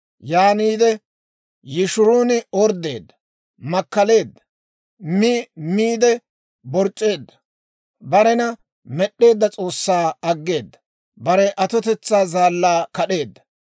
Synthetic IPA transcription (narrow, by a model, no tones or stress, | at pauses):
jaːniːd̪ɛ | jɪʃʊɾuːnɪɔɾd̪e̞ːd̪ːɐ̥ | mɐkːɐle̞ːd̪ːɐ̥ | mɪmiːd̪ɛ | bɔɾt͡ʃʼːe̞ːd̪ːɐ̥ | bɐɾɛnɐ | mɛɗːe̞ːd̪ːɐt͡sʼo̞ːsːaːɐɡːe̞ːd̪ːɐ̥ | bɐɾɛʔɐt̪ɔt̪ɛt͡sːaːzaːlːaːkɐɗe̞ːd̪ːɐ̥